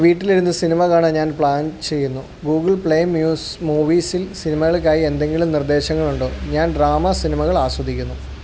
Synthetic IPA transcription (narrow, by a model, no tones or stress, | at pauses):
ʋiːʈːiliɾunːɨsinimɐkaːɳɨɲaːnpɭaːnt͡ɕe̞jːunːu | ɡuːɡɐɭpɭejmjuːs | muːʋiːsilsinimɐɣɐɭk̬ʲːaːjie̞nd̪e̞ŋɡiɭumnird̪e̞ːɕɐŋːɐɭuɳɖoːɲaːnɖraːmɐsinimɐɣɐɭaːswɐd̪ʱikʲːunːu